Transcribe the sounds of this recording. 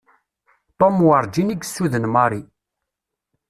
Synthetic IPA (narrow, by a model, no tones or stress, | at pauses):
t̪ˤomwəɾˤd͡ʒiniɡsːuðənmɑɾˤi